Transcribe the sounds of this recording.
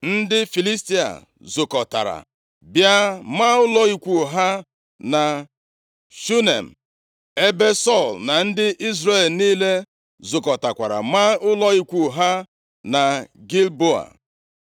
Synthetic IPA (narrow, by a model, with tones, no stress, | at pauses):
n̩˦dɪ˦fi˨li˦sti˦a̰˨ | zʊ˨kɔ˨ta̰˨ɾa̰˨ | bja˦ma˦ʊ˦lɔ˦i˨kʷu˨ɦa˦ | na˨ | ʃu˦ne˨m̩˨ | e˦be˦sɔ˦˨lna˨n̩˦dɪ˦ʔi˦zɾe˨lniː˦le˦ | zʊ˨kɔ˨ta˨kʷa˨ɾa̰˨ma˦ʊ˦lɔ˦i˦kʷu˨ɦa˦ | na˨ɡi˦lbo˦a̰˨